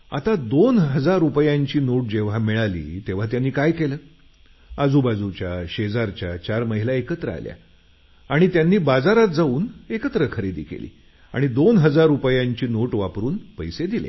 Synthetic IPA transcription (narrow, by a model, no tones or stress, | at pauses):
a̰t̪ad̪onɦəd͡zaɾupjãɲt͡ɕiːnoʈ̚d͡ʑeʋ̤amiɭalḭːt̪eʋ̤at̪̬janːiːkajkeləː | ad͡zubad͡zut͡ɕjaɕed͡zaɾt͡ɕjat͡ɕaɾməɦilaekət̪ɾəa̰lja̰ | aɽ̃it̪janːiːbad͡zaɾat̪̚d͡zauːnekət̪ɾəkʰəɾed̪ikʰḛlḭː | a̰ɽ̃id̪onɦəd͡zaɾːupjãɲt͡ɕiːnoʈʋapɾuːnpəjsed̪ilḛ